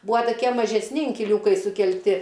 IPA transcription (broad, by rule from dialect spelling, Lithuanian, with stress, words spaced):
ˈbuːɐ toːˈkʲiɛ mɐʒʲɛsʲˈnʲɪ ɪŋʲkʲɪˈlʲuːkɐɪ sʊkʲɛlʲˈtʲɪ